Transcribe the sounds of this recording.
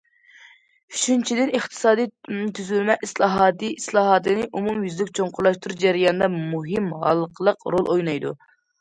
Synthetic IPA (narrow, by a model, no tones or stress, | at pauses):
yt͡ʃʰynt͡ʃʰid̪ɪnɨχt̪ʰɨ̥sɑːd̪ijt̪ʰyzlmɛʔislˠɑɦɑːt̪ɨislˠɑːɦɑːt̪ɨnɨʔumumjyzlɪkʲt͡ʃʰoɴqʰʊɾlˠɑʃt̪uɾud͡ʒæɾijɑnɨd̪ɑmuɦɨmɦɑ̰lˠːqʰəlˠəqɾolˠʔojnɑjd̪u